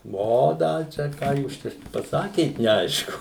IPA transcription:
ˈʋoː dɐ ˈt͡ʃʲɛ ˈkɑː juːs ˈt͡ʃʲɛ pɐˈsɑːkʲeːt nʲɛˈɐɪʃkʊ

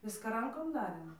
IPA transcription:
ˈʋʲɪskɐ ˈrɐŋkoːm ˈdɑːrʲeːm

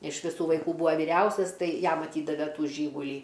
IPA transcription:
ɪʃ ʋʲɪˈsuː ʋɐɪˈkuː ˈbuːʋɐ ʋʲɪˈrʲɛʊsʲɛs ˈtɐɪ ˈjɛm ɐˈtʲiːdɐʋʲɛ ˈtuː ˈʒʲiːɡʊlʲiː

